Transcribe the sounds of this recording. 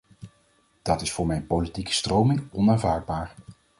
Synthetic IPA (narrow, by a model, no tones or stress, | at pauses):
d̥ɑtɪsfʊːɹmɛjnpowlitikə̥strowmɪŋɔnaːnvaːɹd̚baːɹ